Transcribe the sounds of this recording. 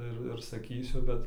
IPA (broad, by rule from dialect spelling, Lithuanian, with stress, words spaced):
ˈɪr ɪr sɐˈkʲiːsʲʊ ˈbʲɛt